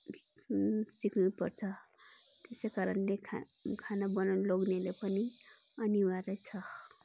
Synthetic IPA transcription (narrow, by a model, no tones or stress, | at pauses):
bʱisiknupʌrt͡sʰʌ | t̪esʌjkaɾʌnlekʰ | kʰanabʌnanloɡnelepʌni | ʌniwaɾʌjt͡sʰʌ